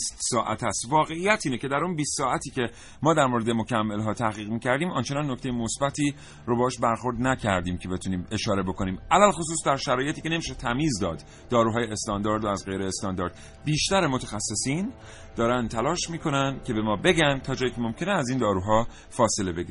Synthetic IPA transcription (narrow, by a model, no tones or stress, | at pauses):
ist̪sɒːʔæt̪ʰæst̪vɒːɣe̞ijæt̪ʰiːnecʰe̞d̪æɾunbiːst̪sɒːæt̪ʰiːcʰe̞ | mɒːd̪æɾmoɾed̪emo̞cʰæmːelɦɒːt̪ʰæhɣiːɣmiːcʰæɾd̪iːmɒnt͡ʃʰe̞nɒnːocʰt̪ejemo̞sbæt̪ʰiː | ɾobɒhɔːʃbæɾxo̞ɾd̪næcʰæɾd̪iːmcʰe̞be̞t̪ʰuniːme̞ʃɒːɾe̞bo̞ko̞niːmʔælælxo̞s̬uːsd̪æɾʃæɾɒːje̞t̪iːcʲe̞ne̞miːʃet̪ʰæmiːzd̪ɒːd̪̥ | d̪ɒːɾuːɦɒːjeest̪ɒːnd̪ɒːɾd̪oæzɢejɾeːst̪ɒːnd̪ɒːɾd̪̥ | biːʃt̪æɾemo̞t̪ʰexæsːe̞siːn | d̪ɒːɾænd̪t̪ʰælɒːʃmiːkʰo̞nænd̪cʰe̞be̞mɒːbe̞ɟænd̪t̪ʰɒːd͡ʒɒːjiːcʰemo̞mcʰe̞neæziːnd̪ɒːɾuːɦɒː | fɒːse̞lebeɡi